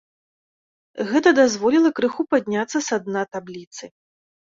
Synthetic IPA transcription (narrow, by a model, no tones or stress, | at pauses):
ɣɛt̪ɐd̪azvɔlʲilˠɐkɾɨxupad̪ʲnʲat̪sːɐsad̪nat̪ablʲit̪sɨ